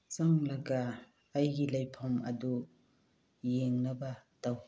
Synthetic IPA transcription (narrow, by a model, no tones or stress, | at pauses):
saŋlaɡaː | jɡilajpʰɔmɐ̰du | jeŋnɐbataw